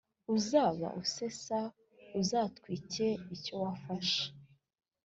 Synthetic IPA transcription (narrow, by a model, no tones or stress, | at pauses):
uzaːβa̰ʔuse̞sa | uzaːtkwiːce̞ico̞wafaʃe̥